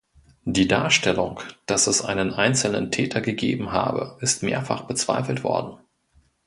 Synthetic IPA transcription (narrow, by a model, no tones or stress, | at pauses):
d̥iːdaːɐʃtɛlʊŋd̥asɛsʔaɪnənʔaɪnt͡sl̩nə̰ntʰɛːtʰɐɡəɡeːbm̩ɦa̰ːbə̰ʔɪstmeːɐfa̰χb̥ət͡sv̥a̰ɪfl̩tv̥ɔ̰ɐdn̩